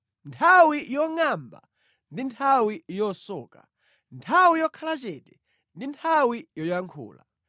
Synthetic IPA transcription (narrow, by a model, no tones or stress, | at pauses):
ntʰawijɔŋamba̰ | ndintʰawijɔsɔːka̰ | ntʰawijɔkʰalat͡ʃɛtɛ | ndintʰawijɔjaŋkʰṵːla̰